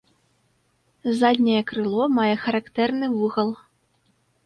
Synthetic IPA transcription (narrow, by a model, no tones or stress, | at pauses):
zad̪ʲnʲɐjɛkɾɨlˠɔmajɛxɐɾakt̪ɛrnɨvuɣɐlˠ